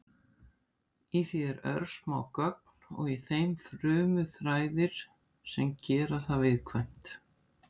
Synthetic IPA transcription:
iθiɛɾœ̰ɾsmaːwkœk̚nɔ̰ɣiθejmfɾʏːmʏθɾaːjðɪɾ̥ | sɛmcɛːɾaθavɪðkʰvɛjm̥t̪

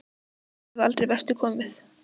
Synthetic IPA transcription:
valt̪ɾejvɛr̥t̪ʏkʰɔːmɪθ

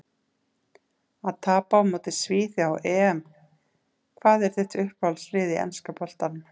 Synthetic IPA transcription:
aðt̪ʰaːpamɔːt̪ɪsviːθjawʔɛːɛm | kʰvaːðɛɾ̥θɛht̪ʏhpvalsrɪːðɪɛ̰nskapɔl̥t̪anʏm

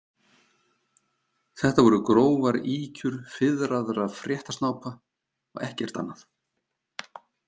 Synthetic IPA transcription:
θɛht̪avɔɾʏkɾoːwvaɾiːcʏɾ̥fɪðɾaðʏɾaðfɾjɛht̪ḁst̪naːwpa | ɔɣɛhcɛr̥t̪a̰nːaθ

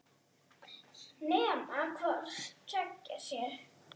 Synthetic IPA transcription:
nɛːmakʰvɔrst͡ɕʰœcːḁsjɛɾ̥

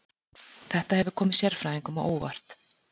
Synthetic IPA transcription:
θɛht̪ahɛvʏkʰɔːmɪðsjɛɾ̥fɾaːiŋkʏma̰ʔo̰ːwva̰r̥t̪

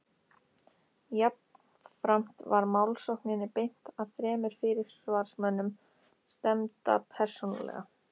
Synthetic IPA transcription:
jap̚n | fɾam̥t̪vaɾmawlsowhknɪnːɪpejn̥t̪aðfɾɛːmʏɾ̥fɪɾɪɾ̥svaɾ̥smœnːʏm | st̪ɛmt̪a̰pʰɛr̥sona̰lɛ̰ɣa

